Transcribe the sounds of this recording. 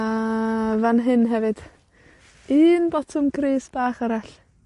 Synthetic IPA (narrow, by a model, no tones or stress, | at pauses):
avanɦɨnɦɛvɨd̥ | iːnbɔtʰɔmkʰreːsb̥aːχaɾaɬ